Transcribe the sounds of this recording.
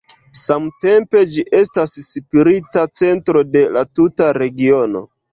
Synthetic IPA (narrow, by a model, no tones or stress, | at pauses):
samte̞mpe̞d͡ʒiʔe̞stassipiɾitat͡se̞ntɾo̞de̞latutaɾe̞ɡio̞no̞̰